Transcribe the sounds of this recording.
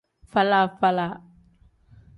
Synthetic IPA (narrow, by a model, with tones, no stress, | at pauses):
fa˦la˦˨fa˦la˨